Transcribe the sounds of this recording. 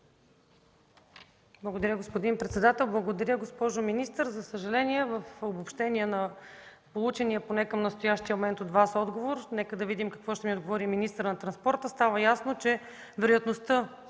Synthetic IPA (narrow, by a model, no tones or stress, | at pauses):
blˠəɡod̪ɐɾʲəɡospod̪inpɾɛt̪sɛd̪at̪ɛlˠblˠəɡod̪ɐɾʲjəɡospɔʒominist̪əɾzɐsəʒɐlɛniɛvəfobopʃt̪ɛniənɐ | polˠut͡ʃɛniəponɛkəmnəst̪ʊjaʃt̪iəmomɛnt̪od̪vasɔd̪ɡovoɾnɛkəd̪ɐvid̪imkɐ̥kvɔʃt̪ɛmiod̪ɡovɔɾiminist̪əɾnɐt̪ɾɐnspɔɾt̪əst̪avəjasnot͡ʃɛ | vɛɾojɐt̪nost̪ɤ